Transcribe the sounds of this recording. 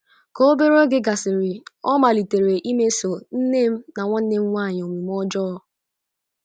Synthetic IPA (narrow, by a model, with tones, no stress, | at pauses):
ko˦o˦be˦ɾo˦ɡɪ˦ɡa˨sɪ˨ɾɪ˨ɔ˦ma˨li˨te˨ɾe˨ʔi˦me˦so˨n̩˦ne˦m̩˦na˨ŋʷɔ˦n̩˦de˦m̩˦ŋʷa˦˨ɲ˨o˨ŋʷi˨m˦ɔ˦d͡ʒɔ˦ɔ˦